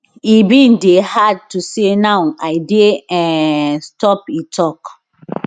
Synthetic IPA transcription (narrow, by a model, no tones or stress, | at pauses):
ibĩndehad̚tusenawaɪdeɛ̃stɔpitʰɔk